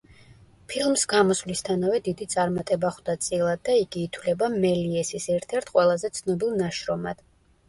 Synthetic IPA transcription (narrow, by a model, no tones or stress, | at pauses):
pʰilˠmsɡamɔsvlist̪ʰanavɛd̪id̪it̪sʼaɾmat̪ʼɛbaχd̪at̪sʼilˠad̪̚ːaiɡiːt̪ʰwlɛbamɛliɛsisɛɾt̪ʰɛɾt̪ʰqʼwɛlˠazɛt̪sʰnɔbilˠnaʃɾɔmad̪̥